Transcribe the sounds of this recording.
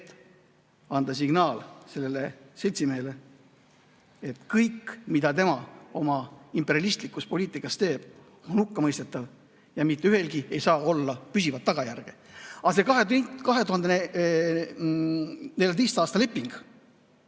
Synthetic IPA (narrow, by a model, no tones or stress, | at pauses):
t̪ː | ɑnd̪̥ɑs̬iɡnɑːlse̞lːe̞le̞se̞lʲt̪simeːle̞ | et̪kɤjkːmid̪̥ɑt̪e̞mɑo̞mɑimpːe̞ɾiɑlist̪likːˑuspo̞lʲiːt̪ˑikːˑɑst̪e̞ːb̥ | o̞nhukːɑmɤjst̪et̪ːˑɑv | jɑmit̪ːˑeyhe̞lɡie̞jsɑːo̞lːɑpysivɑt̪ːɑɡ̥ɑjærɡ̥e̞ɑse̞kɑɦekɑɦe̞t̪uhɑnd̪ee | ne̞ljɑt̪̬ejst̪ɑːst̪ɑle̞pˑːiŋɡ̥